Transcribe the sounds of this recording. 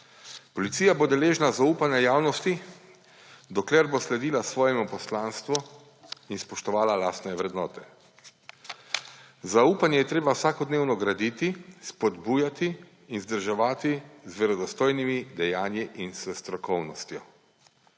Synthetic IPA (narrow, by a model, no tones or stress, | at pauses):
pɔlit̪siːjaboːd̪ɛleːʒnazauːpanɛjaːwnɔst̪i | d̪ɔklɛɾboslɛd̪iːlasʋɔːjɛmɔpɔslaːnst̪ʋɔ | inspɔʃt̪ɔʋaːlalaːst̪nɛʋɾɛd̪nɔːt̪ɛ | zauːpanjɛjɛt̪ɾeːbawsaːkɔd̪neːwnɔɡɾad̪it̪ispɔd̪buːjat̪iː | nzd̪əɾʒaʋaːt̪izʋɛɾɔd̪ɔst̪oːjnimid̪ɛjaːnjiʔinsɛst̪ɾɔkɔwnɔst̪jɔ